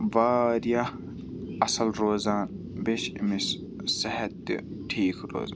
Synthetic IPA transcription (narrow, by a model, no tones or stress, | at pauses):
ʋaːd̪ija | ɐsɐlɾoːzaːn | beʃɪmis | sɐɦɐt̪̚ːḭʈʰiːkʰɾo̰ːz